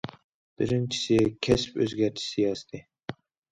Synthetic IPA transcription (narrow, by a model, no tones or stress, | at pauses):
b̥ɪɾɪnt͡ʃʰi̥sɪkʲʰɛspø̰zɡʲæɾt͡ʃʰi̥sɪjɑst̪ʰɪ